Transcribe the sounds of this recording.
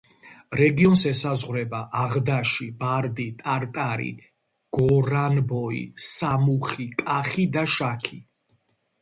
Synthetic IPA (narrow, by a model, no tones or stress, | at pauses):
ɾɛɡiɔnsɛsazʁwɾɛbaʔaʁd̪aʃibaɾd̪it̪ʼaɾt̪ʼaɾḭ | ɡ̥ɔɾanbɔḭsamuχikʼaχid̪aʃakʰi